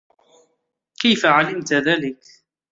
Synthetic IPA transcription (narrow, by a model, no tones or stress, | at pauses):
kajfaʕalɪmt̪ðælɪk